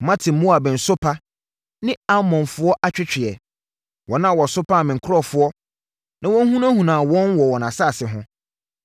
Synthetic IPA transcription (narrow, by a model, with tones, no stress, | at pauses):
mã˦tʰɪ˨mʊ̃˦a˨bɛ̃˨n̩˨sʊ˦pʰa˦ | nɪ̃˦a˦mɔ̃˨nfʊ˦ɔ˦ʔa˦t͡ɕᶣɪ˦t͡ɕᶣɪ˨ɛ˨ | wɔ˨nã˦˨wɔ˨sʊ˦pʰa˦˨mɪ̃˨ŋ̩˨kʰʊ˦ɾɔ˦˨fʊ˨˦ɔ˦ | nã˨wɔ̃˦n˦hũ˦nã˦hũ˨nãː˨wɔ̃˦nwɔ˨wɔ˨nã˨sa˦˨sɪ˨ɦʊ̃˦